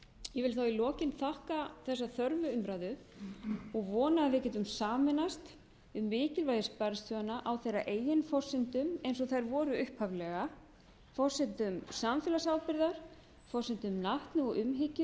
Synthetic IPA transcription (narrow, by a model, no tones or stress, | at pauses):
jɛvɪlθawilɔːcɪnθahkaθɛsːaθœɾvʏʏmɾajðʏ | ɔɣvɔːnaːðvɪcɛːt̪ʏmsaːmɛnast̪ | ʏmːɪːcɪlvajðɪspaɾɪst̪ʰjœanːaʔawθejra̰ʔeːjɪnfɔr̥sɪnt̪ʏmejnsɔɣθajɾvɔːɾʏʏhpʰhavlɛɣa | fɔr̥sɪnt̪ʏmsamfɛːlasaːwpɪɾðaɾ̥ | fɔr̥sɪnt̪ʏmnaht̪nʏɔɣʏmɦɪcʏ